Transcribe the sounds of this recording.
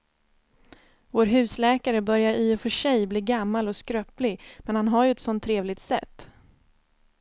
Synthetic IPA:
voːɾɦʉ̟ːslɛːkaɾəbœɾjaɾiːɔfœʂɛjbliːɡamːalɔskɾœːplɪɡmɛnhanɦaɾjɵɛt̪sɔnt̪ʰːɾeːvlɪɡ̚t̪sɛ̰t̪ː

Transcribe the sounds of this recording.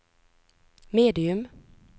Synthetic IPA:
meːd̪ɪɵm

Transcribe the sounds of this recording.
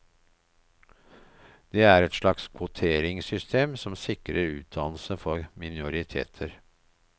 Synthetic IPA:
d̪eːæɾɛt̪ʂlɑkskʰʋʊt̪ʰeːɾɪŋsʏst̪ʰeːmsɔmsɪkɾəɾʉ̰ːt̪̚d̪ɑnl̩səfɔɾmɪnʊɾɪt̪ʰḛːt̪ʰəɾ

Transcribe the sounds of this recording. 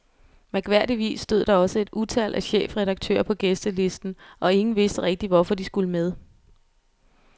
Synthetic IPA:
meɡ̥ʋæɐ̰d̥iʋḭːsːd̥øð̞̰ˠd̥ɑ̈ɒ̽səe̝d̥ut͡sʰæl̰ʔæɕḛːfʁɛð̥ɑ̈ɡ̥̚t͡sʰø̰ːɐpʰɒ̽ɡ̥esd̥əle̝sd̥n̩ʔɒ̽e̝ŋn̩ʋe̝sd̥əʁɛɡ̥̚d̥iʋɒfɒ̽d̥isɡ̥uləmeð̞ˠ

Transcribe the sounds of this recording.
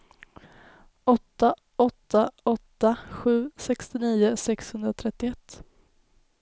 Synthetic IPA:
ɔt̪ːa | ɔt̪ːaɔt̪ːaɧʉ̟ːsɛkst̪ɪniːʊsɛkshɵnd̪ɾat̪ʰɾɛt̪ːɪɛt̪ː

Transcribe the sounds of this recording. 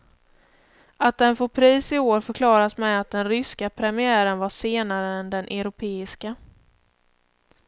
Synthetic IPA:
at̪̚d̪ɛnfoːpʰɾiːsɪoːɾfœɾkʰlɑːɾasmɛat̪̚d̪ɛnɾʏskapʰɾɛmɪæːɾənvaʂeːnaɾəɛnd̪ɛnʔɛɾʊpʰeːɪska

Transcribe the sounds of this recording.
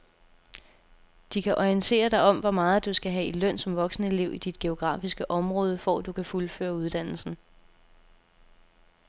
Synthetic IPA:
d̥ikʰæʔɒiənt͡sʰe̝̰ːɐd̥ɑ̈ɪɒ̽m̰ʋɒ̽mɑ̈ːð̞̩ˠd̥usɡ̥æɦɛilœn̰sɒ̽mʋɒ̽ɡ̥snəe̝le̝ʊid̥id̥̚ɡ̥e̝o̝ɡ̥ʁɑ̰̈ːfisɡ̥əʔɒ̽mʁɔ̽ːð̞ˠəfɒ̰d̥ukʰæfulfø̰ːɐuð̞ˠd̥æn̰l̩sn̩

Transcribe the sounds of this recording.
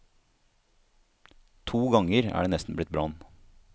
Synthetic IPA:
t̪ʰuːɡɑŋəɾæ̰ːɖeːnɛst̪n̩blɪt̪̚bɾɑn

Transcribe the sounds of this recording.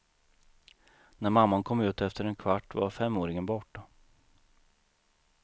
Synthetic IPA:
næɾmamːankʰɔmːʉ̟ːt̪ɛft̪əɾɛnkʰvaʈːva̰ɾfɛmːoːɾɪŋənbɔʈːa

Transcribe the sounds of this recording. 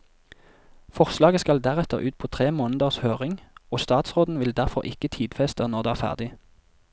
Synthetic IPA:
fɔʁslɑːɡəskɑld̪æʁɛt̪əʁʉːt̪̚pʰoːt̪ʰʁeːmoːnəd̪əʁshøːʁɪŋoːst̪ɑːt̪sʁoːd̪n̩ʋɪld̪æʁfɔʁʔɪkət̪ʰiːd̪fɛst̪ənɔʁd̪eːæːʁfæ̰ʁd̪ɪ

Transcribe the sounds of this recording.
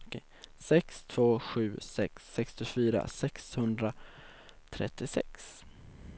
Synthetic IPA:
sɛkst̪ʰv̥oːɧʉ̟ːsɛksːɛkst̪ɪfyːɾa̰sɛkshɵnd̪ɾa | t̪ʰɾɛ̰t̪ːɪsɛ̰ks

